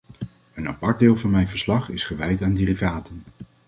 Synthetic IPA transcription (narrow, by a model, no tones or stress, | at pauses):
əna̰pɑɹd̚dɪːlˠvɑnmɛjnvəɹslɑχɪsχəʋɛjtaːndɪːrivaːtən